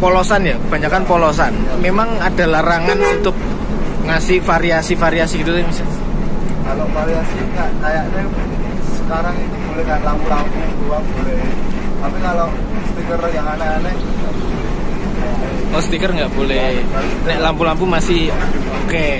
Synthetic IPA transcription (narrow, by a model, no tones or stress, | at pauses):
polosanjaəb̥a̤ɲakanpolos̬anmemaŋad̥a̤lahraŋanunt̪ʊk̚ | ŋasɪhfaɾiasifaɾiasiɡit̪ut̪ɛmisa | kalofaɾiasiŋaʔkajaʔna | səkaɾaŋinibolɛhkanlampulampubuaŋbolɛhapikalo | sə̥t̪ikərjaŋananɛŋɡabolɛ | ɔsə̥t̪ikərŋɡaʔb̥olɛhɛʔlampulampumasɪhoke